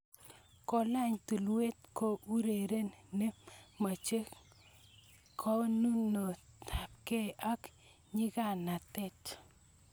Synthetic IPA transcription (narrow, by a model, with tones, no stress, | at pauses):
ko˨la˦˨ɲtu˨lwe˦t̪̚ko˦ʔu˦ɾe˨ɾe˦nnːe˦ma˨t͡ʃe˦ | kʰɔ˦nu˦no˨tʰa˨p̚ke˦˨a˦k | ɲɪ˦ka˨na˨t̪ɛ˦˨t